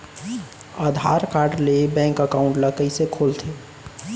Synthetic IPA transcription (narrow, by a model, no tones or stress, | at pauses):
aːd̪ʱaːɾkaːɾɖlebɛ̃ːŋkəkaːʊ̃ɳʈləkəisekʰoːlt̪ʰeː